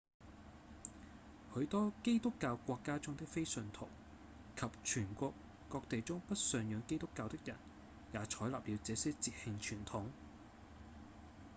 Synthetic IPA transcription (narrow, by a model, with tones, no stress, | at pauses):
hɵ˨˧˥ɥt̪ɔː˥ke˥jt̪ʊ˥kːaː˧wkʷɔː˧kːaː˥t͡sʊ˥ŋt̪ɪ˥k̚fe˥jsɵ˧nt̪ʰʊ̰˨˩w | kʰɐ˨p̚t͡ʃʰyː˨˩nkʷɔː˧kː | ɔː˧k̚t̪e˨jt͡sʊ˥ŋpɐ˥t̚sœː˨ŋjœː˨˧ŋke˥jt̪ʊ˥kːaː˧wt̪ɪ˥k̚jɐ̰˨˩n | jaː˨t͡ʃʰɔː˨˥jlaː˨p̚jiː˨˧t͡sɛː˨˥sɛː˥t͡siː˧p̚hɪ˧ŋt͡ʃʰyː˨˩nt̪ʰʊ˨˥ŋ